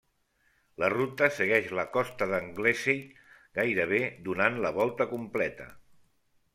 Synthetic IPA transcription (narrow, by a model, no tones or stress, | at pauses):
lərut̪əsəɣɛʃləkɔst̪əðəŋɡlesij | ɡajɾəβ̞ed̪unanləβ̞ɔlˠt̪əkumplɛt̪ə̰